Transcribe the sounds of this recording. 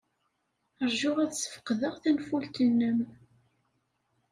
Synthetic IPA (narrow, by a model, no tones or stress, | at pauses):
əɾʒʊʁæðsə̥fqðəʁθænfult̪ənːəm